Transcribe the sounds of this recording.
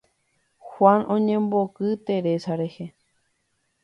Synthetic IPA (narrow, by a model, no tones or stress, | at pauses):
xwʷãnõɲẽ̞mbokɨt̪e̞ɾe̞saɾe̞he